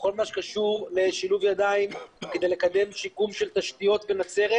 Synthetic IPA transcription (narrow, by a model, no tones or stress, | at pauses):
ko̞lmaʃkaʃuʁle̞ʃiluvjad̪aimked̪ejle̞kad̪e̞mʃikumʃe̞lt̪aʃt̪ijo̞t̪venat͡se̞ʁe